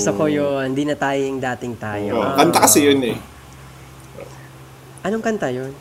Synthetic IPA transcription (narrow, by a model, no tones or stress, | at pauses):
sokojond̪iːnɐt̪aːjojʊŋd̪aːt̪ɪŋt̪aːjookɐnt̪akɐsɛjonɛ | ʔɐnoŋkɐnt̪ɐjon